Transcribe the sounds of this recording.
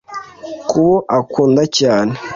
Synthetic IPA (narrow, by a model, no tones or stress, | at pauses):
kuβoʔakuːndacaːne